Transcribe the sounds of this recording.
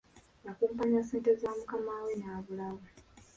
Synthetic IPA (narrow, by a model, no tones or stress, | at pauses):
jakuːmpaɲase̞ːntezaːmukamaːwenaːβulaβa